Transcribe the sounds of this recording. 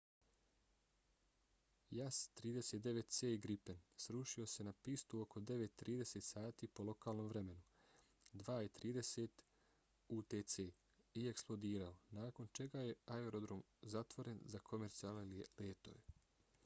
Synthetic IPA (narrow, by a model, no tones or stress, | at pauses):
jast̪ɾiːd̪e̞se̞t̪̚d̪e̞ʋe̞t̪t̪seːiɡɾipe̞nsɾuʃio̞se̞napist̪uo̞ko̞d̪e̞ʋe̞t̪ːɾiːd̪e̞set̪saːt̪iːpo̞lo̞kaːlˠno̞mʋɾe̞me̞nu | d̪ʋaːit̪ɾiːd̪e̞set̪ | uːt̪et̪seː | ieksplˠo̞d̪iːɾao̞naːko̞nt͡ʃe̞ɡaje̞aeɾo̞d̪ɾomzat̪ʋo̞ɾe̞nzakʰo̞me̞ɾt̪sialeleːt̪o̞̰ʋe